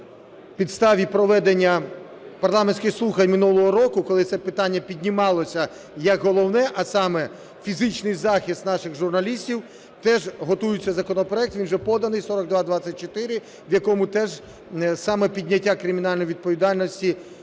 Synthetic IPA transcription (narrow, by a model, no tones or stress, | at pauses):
pʲid̪st̪ɑʋʲipɾɔʋɛd̪enʲːɐ | pɐrlˠɑmensʲkɪxslˠuxɐjmɪnulˠɔɦɔɾɔkʊkɔlˠɪt̪sɛpɪt̪ɑnʲːɐpʲidʲnʲimɑlˠɔsʲɐ | jɐkɦɔlˠɔwnɛʔɐsɑmɛ | fʲizɪt͡ʃnɪjzɑxʲist̪nɑʃɪxʒʊrnɐlʲisʲtʲiw | t̪ɛʒɦɔt̪ujʊt͡sʲːɐzɐkɔnɔpɾɔɛk̚t̪ʋʲinwʒɛpɔd̪ɐnɪjsɔɾɔɡ̚d̪ʋɑd̪ʋɑt͡sʲɐt̚ʲt͡ʃɔt̪ɪɾɪ | wjɐkɔmʊt̪ɛʒ | sɑmɛpʲidʲnʲɐtʲːakɾɪmʲinɑlʲnɔjʋʲid̪̚pɔʋʲid̪ɑlʲnɔsʲtʲi